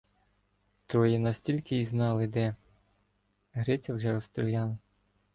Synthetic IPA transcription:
t̪ɾɔjinɐsʲtʲilʲkɪiznɑlˠɪd̪ɛ | ɦɾɛt͡sʲɐwʒɛɔst̪ɾɔlʲjɑnɐ

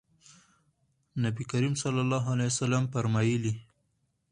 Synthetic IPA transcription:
nabikaɾimsalːalːɑɦalajasalampaɾmɑjili

